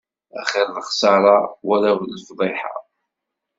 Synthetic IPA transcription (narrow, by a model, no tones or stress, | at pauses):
æ̰χɪɾləχsɑɾˤɑwælæwlːfðˤeħa̰ˤ